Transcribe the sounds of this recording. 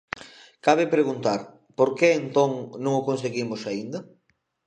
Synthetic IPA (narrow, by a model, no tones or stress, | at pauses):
kaβepɾeɣunt̪aɾ | poɾkeent̪õŋnõŋokons̬eɣimosaind̪ɐ